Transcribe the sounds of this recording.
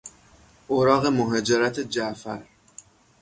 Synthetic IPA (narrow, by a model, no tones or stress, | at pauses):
ʔoɾɒːɣe̞moɦɒːd͡ʒeɾæt̪ʰed͡ʒæʔfæ̰ɾ